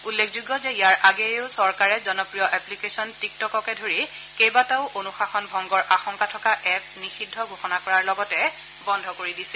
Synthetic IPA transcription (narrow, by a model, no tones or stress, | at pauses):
ulːekʰzuɡːɔzɛijaɹʔaɡɛʊsɔɹkaɹɛzɔnɔpɹijɔʔɛplikesɔntik̚tɔkɔkɛdʱoɹi | kejbataʊʔonuxaxɔnbʱɔŋɡɔɹʔaxɔŋkatʰɔkaʔɛk̚nixidʱːɔɡʱoxɔnakɔɹaɹlɔɡɔtɛ | bɔndʱɔkoɹidisɛ